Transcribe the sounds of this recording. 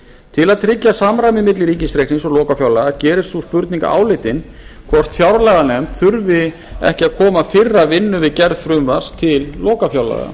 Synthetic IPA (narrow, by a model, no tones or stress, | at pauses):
t̪ʰɪlaðt̪ʰɾɪcːasamɾamɪmɪt̪lɪɾiːcɪst̪ɾejksniŋnsɔɣlɔːkafjawlaɣacɛːɾɪsuspʏɾt̪niŋka̰ʔa̰ːwlɪt̪ɪn | kʰvɔr̥t̪θjawɾlɛɣanɛmt̪θʏɾvɪ | ɛ̰hcɪaðkʰɔːmafɪrːavɪnːʏvɪðcɛɾð̥fɾʏmvar̥st̪ʰɪlːɔːkafjawla̰ɣa̰